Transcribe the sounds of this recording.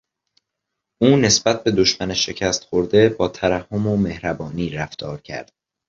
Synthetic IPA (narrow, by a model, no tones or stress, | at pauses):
ʔuːne̞sb̥æt̪̚be̞d̪o̞ʃmæneʃe̞cʰæst̪χo̞ɾd̪e̞bɒːt̪ʰæɾæhːo̞mome̞hɾæbɒːniːɾæft̪ʰɒːɾcʰæ̰ɾd̪̥̚